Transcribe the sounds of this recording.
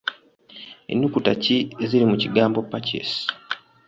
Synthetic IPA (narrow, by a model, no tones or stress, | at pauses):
e̞̰nːukutacieziɾimuciɡaːmbo̞pːacḛs